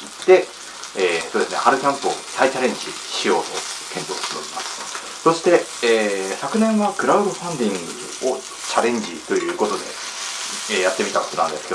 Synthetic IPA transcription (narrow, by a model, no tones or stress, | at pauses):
it̪ːe̞ | eːsod̪esɨne̞haɾɯ̟kʲãmpɯo̰sait͡ɕaɾẽ̞ɲ̟d͡ʑi | ɕijo̞ːt̪o̞̰kʰẽ̞npoːɕt̪enoɾʲimasɨ̥ | so̞ɕi̥t̪e̞eːsakɯ̟nẽ̞ɰ̃βakɯ̟ɾaɯ̟d̪oɸãnd̪ʲĩŋɡɯ̰ | o | t͡ɕaɾẽ̞ɲ̟d͡ʑit̪o̞jɯ̟ːko̞t̪o̞d̪e̞̰ | ejat̪ːe̞mʲit̪akotonã̰nd̪esɨked̪o